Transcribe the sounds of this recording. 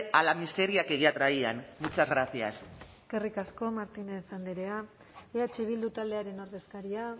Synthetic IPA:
alamist̪e̞ɾiakeɣiat̪ɾaianmut͡sazɣɾaθia̰seskerikasko̞maɾt̪inesand̪eɾe̞a | eat͡ʃeβ̞ild̪ut̪ald̪e̞aɾe̞no̞ɾðe̞skaɾia

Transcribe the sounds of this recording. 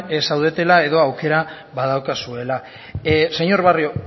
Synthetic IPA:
esawðe̞t̪e̞lae̞ðo̞awke̞ɾa | βað̞awkasue̞la | se̞ɲo̞ɾβario̞

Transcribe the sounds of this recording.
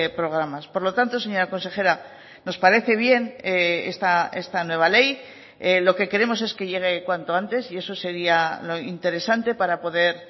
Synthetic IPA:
pɾo̞ɣ̞ɾamaspo̞ɾlot̪ant̪o̞se̞ɲo̞ɾako̞nse̞xe̞ɾa | no̞spaɾe̞θe̞β̞je̞neest̪ae̞st̪anwe̞β̞ale̞j | elo̞ke̞ke̞ɾe̞mo̞s̬e̞ske̞ʝe̞ɣ̞e̞kwant̪o̞ant̪e̞sie̞so̞se̞ɾialo̞int̪e̞ɾe̞sant̪e̞paɾapo̞ðe̞ɾ

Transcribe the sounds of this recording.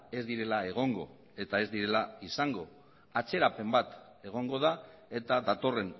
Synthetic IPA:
e̞zd̪iɾe̞lae̞ɣ̞o̞ŋɡo̞ | e̞t̪ae̞zd̪iɾe̞laisaŋɡo̞ | at͡se̞ɾape̞mbat̪ | e̞ɣ̞o̞ŋɡo̞ð̞ae̞t̪aðat̪o̞re̞n

